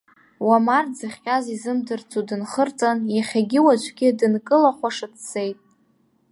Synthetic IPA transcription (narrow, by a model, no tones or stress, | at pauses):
wamard͡zɨχʲqʲʼazizɨmdɨrt͡sʰʼudɨnχərt͡sʼanjaχʲaɡʲɪwat͡ʃʷʰʼɡʲɪdɨnkʼɨlaχʷaʂɨt͡sʰse̞jtʼ